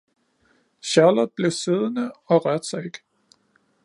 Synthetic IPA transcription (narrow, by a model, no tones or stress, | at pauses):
ɕɑləð̩ˠb̥le̝ʊse̝ð̞ˠnəɒ̽ʁɶɐd̥sɑɪe̝ɡ̥